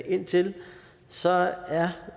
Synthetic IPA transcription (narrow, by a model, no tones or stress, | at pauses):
ʔe̝n̰t͡sʰe̝l | sɒ̽æɐ